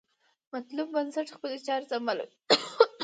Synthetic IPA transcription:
mat̪lub̚bansaʈxpəlet͡ʃɑɾzamala̰wi

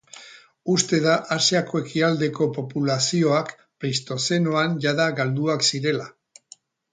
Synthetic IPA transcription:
ust̪e̞ðaʔasiako̞e̞kiald̪e̞ko̞po̞pulasio̞ak | pɾist̪o̞se̞no̞anʝaðaɣald̪uaksiɾe̞la

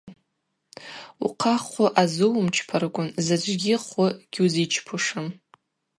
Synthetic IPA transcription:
ṵqʰaχʷʊʔazɨwmt͡ʃʰpʰarɡʷʼʊnzad͡ʒʷʼɡʲɪχʊɡ̥ʲuzit͡ʃʰpʰuʂɨn

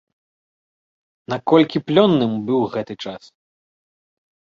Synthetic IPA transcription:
nakɔlʲkʲiplʲɔnːɨmbɨwɣɛt̪ɨt͡ʂas

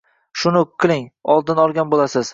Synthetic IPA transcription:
ʃʊnʊqʰːɨlˠɪŋɒlˠd̪ɪnɒlˠɡʲanbolasɪz̥

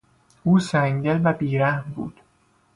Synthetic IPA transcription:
ʔuːsæŋɟelvæbiːɾæhmbṵːd̪̥

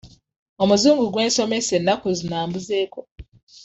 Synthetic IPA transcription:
omuzuːŋɡuɡwe̞ːnso̞me̞senːakuzinaːmbuze̞ːko̞

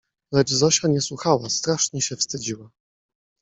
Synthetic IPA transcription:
lɛd͡ʐzɔɕaɲɛswuxawast̪ɾaʂɲɛɕɛfst̪ɘd͡ʑiwa

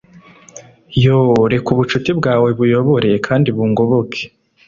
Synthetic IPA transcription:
joɾe̞kuβut͡ʃutibɡaːwe̞βujo̞βoɾeje̞kʰaːndiβuŋɡo̞βokʰe̥

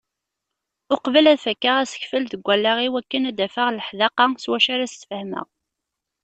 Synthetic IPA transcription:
ʊqvəlæðfəkːəʁæsə̥çfəlðəɡʷːælːæʁiwækːənæd̪æfəʁləħðɑqɑswæʃaɾæst̪fəhmə̰

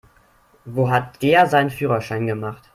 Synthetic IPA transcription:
voːɦat̚d̥eːɐzaɪnənfyːʁɐʃaɪnɡəmaχt

